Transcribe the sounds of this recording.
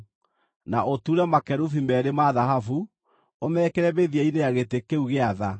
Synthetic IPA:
naʔotuːɾɛmakɛɾufimɛːɾemaðaɦafu | omɛːkɛɾɛbeðiainejaɣetekeuɣeaða

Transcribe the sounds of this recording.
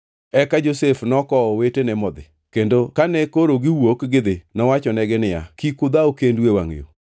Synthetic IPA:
ɛkad͡ʒosefnɔkɔɔwetenɛmɔd̪ɪ̰ | kendokanɛkoɾoɡɪwokɡɪd̪ɪnɔwat͡ʃɔnɛɡɛnɪja̰kikʊd̪aokendwewa̰ŋ̰jo̰

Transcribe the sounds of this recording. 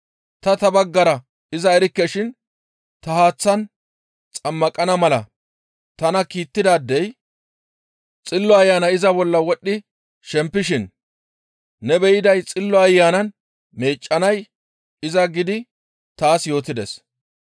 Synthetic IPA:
t̪ɐt̪ɐbɐɡːɐɾɐ | ɪzɐɛɾɪkːɛʃɪn | t̪ɐhaːt͡sːɐn | t͡sʼɐmːɐkʼɐnɐmɐlɐ | t̪ɐnɐkiːt̪ːɪd̪aːd̪ːɛj | t͡sʼɪlːɔɐjːaːnɐɪzɐbɔlːɐwɔɗːɪ | ʃɛmpːɪʃɪn | ɛbɛjɪd̪ɐjt͡sʼɪlːɔɐjːaːnɐn | me̞ːt͡ʃʼːɐnɐj | ɪzɐɡɪd̪ɪ | t̪aːsjo̞ːt̪ɪd̪ɛ̰s

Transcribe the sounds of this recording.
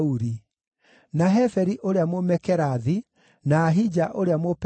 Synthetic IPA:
uɾi | naɦɛfɛɾiʔoɾeamomɛkɛɾaði | naːɦid͡ʒaʔoɾeamop

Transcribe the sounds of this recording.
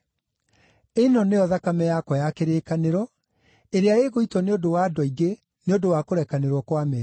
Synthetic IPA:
enɔneɔðakamɛjakwɔjakeɾeːkaneɾɔ | eɾeaeɣoitwɔneodowaːdwɔiɡe | neodowakoɾɛkaneɾwɔkwamɛ

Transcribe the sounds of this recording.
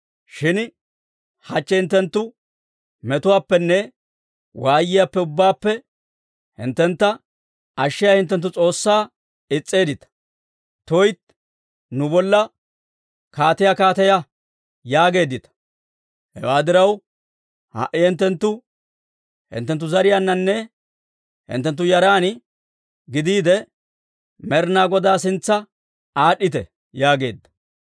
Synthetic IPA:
ʃɪn | hɐt͡ʃːɛhɪnt̪ːɛnt̪ːʊ | mɛt̪ʊwaːpːɛnːɛ | waːjɪjapːɛʊbːaːpːɛ | hɪ̰nt̪ːɛnt̪ːɐ | ɐʃːɪjahɪnt̪̬ːɛnt̪̬ːʊt͡sʼo̞ːsːaː | ɪt͡sʼːe̞ːd̪ɪt̪ɐ̥ | t̪ɔjt̪ | nʊbɔlːɐ | kaːt̪ɐjakaːt̪ɐjɐ | jaːɡe̞ːd̪ɪt̪ɐ̥ | hɛ̰waːd̪ɪɾɐw | hɐ̰ʔɪhɪnt̪ːɛnt̪ːʊ | hɪ̰nt̪ːɛnt̪ːʊzɐɾɪjanːɐnːɛ | hɪ̰nt̪ːɛnt̪ːʊjɐɾaːn | ɡɪd̪iːd̪ɛ | mɛɾnaːɡɔd̪aːs̬ɪnt͡sːɐ | aːɗɪt̪ɛ | jaːɡe̞̰ːd̪ːɐ̥

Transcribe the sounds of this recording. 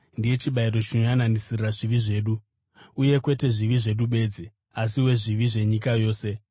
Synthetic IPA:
ndije̞t͡ʃiɓairo̞t͡ʃinojanandisirraʐiʋiʐe̞ːɗu | uje̞kwe̞te̞ʐiʋiʐe̞ɗuɓe̞d͡zi | as̬iwe̞ʐiʋiʐe̞ɲikajo̞ːse̞

